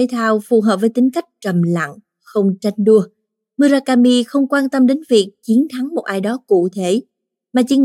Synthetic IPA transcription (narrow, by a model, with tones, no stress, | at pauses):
e˨˦jt̪ʰaː˧wfu˨˩ɦəː˨˩p̚vːjt̪ï˨˦ŋ̟ka˦˥jk̟̚t͡ɕə˨˩mla̰˧˨ŋ | xə˧wŋ͡mt͡ɕa˧jŋ̟ɗu˧ə | mɨ˧zaː˧kaː˧mi˧xə˧wŋ͡mkwaː˧nt̪ə˧mɗe˨˦nvi˨˩ək̚t͡ɕi˨˦ənt̪ʰa˨˦ŋmo˨˩t̚ʔaː˧jɗɔ˨˦kṵ˧˨t̪ʰe˧˩ | maː˨˩t͡ɕḭ˧˥ŋ